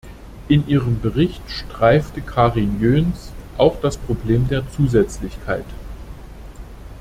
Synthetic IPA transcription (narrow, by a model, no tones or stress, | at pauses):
ʔɪnʔiːʁəmbəʁɪçtʃtʁ̥aɪftəkʰaːʁɪnjøːnsʔaʊxd̥aspʁ̥obleːmdeːɐt͡suːzɛt͡slɪçkʰaɪt